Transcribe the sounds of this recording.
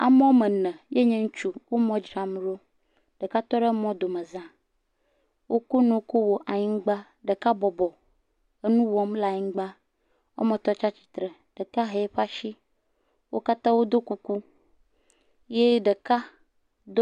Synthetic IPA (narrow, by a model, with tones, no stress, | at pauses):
a̰˨m˦ɔ˦o˦me˨nɛ̃˨je˦ɲɛ̃˦ŋu˦t͡ʃu˦wo˦mɔ̃˦d͡ʒɾa˨m˦ɾo˦ | ɖ̥e˨ka˦t̪ɔ˦ɖe˦mɔ̃˦d̪o˨mẽ˨zã˨ | wʔo˦ku˦nõ˨˦ko˦wo˨ʔa˨ɲĩ˦ŋ̩˦ɡ͡ba˦ | ɖe˨ka˦bɔ˨bɔ˨ | e˦nũ˦wɔ˦mla˨ɲĩ˦ɡ͡ba˦ | wʔo̰˦mẽ˨t̪ɔ˦t͡ʃa˦t͡ɕi̥˨t̪ɾe˨ | ɖ̥e˨ka˦ɦe˨˦ɸa˦ʃi˦ | wo˦ka˦t̪ã˦wo˦d̪o˦ku˦ku˦ | je˦ɖe˨ka˦ | d̪o˦